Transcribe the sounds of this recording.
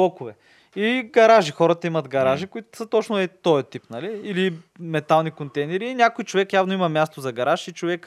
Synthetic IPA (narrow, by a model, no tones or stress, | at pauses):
ɔkʊvɛ | iɡɐɾaʒixɔɾət̪əimɐd̪ɡɐɾaʒikʊit̪ʊ̥sət̪ɔt͡ʃnʊɛt̪ɔjɐt̪ipnɐliilimɛt̪alˠnikont̪ɛjnɛɾiːnʲakojt͡ʃovɛkjavnoimɐmʲjast̪ozɐɡɐɾaʃit͡ʃovɛk